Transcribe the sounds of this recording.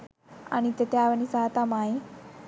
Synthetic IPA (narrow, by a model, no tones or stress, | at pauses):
a̰ñit̪et̪eaːʋənisat̪amaĩ